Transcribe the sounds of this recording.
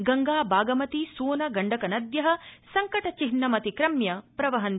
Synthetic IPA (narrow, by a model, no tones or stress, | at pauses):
ɡɐŋɡaːbaːɡɐmɐt̪isuːnɐɡɐɳɖɐkɐnɐd̪jɐɦɐ̆sɐŋkɐʈɐt͡ʃiɦnːɐmɐt̪ikɾɐmjɐpɾɐʋɐɦɐn